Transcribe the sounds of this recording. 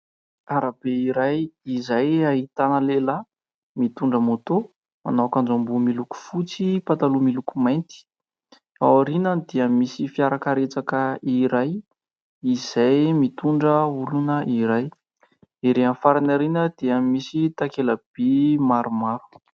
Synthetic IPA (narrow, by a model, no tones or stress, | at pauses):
aɾab̥eiɾajizajaɦit̪anəlela | mit̪uɳɖ͡ʐəmot̪o | ma̰nawkand͡ʒambumiluku̥fut͡sipat̪alumilukumajnt̪i̥ | a̰waɾinənd̪̥eəmisifiaɾakəɾet͡sakəiɾaj | iz̥ajmit̪uɳɖ͡ʐəulunəʔiɾaj | eɾeanfaɾanaɾinəd̪̥eəmisit̪akelab̥emaɾumaɾu̥